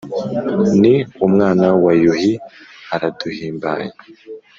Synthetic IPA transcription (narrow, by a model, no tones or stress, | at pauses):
niumŋaːnawajuhihaɾad̥uhiːmba̰ɲa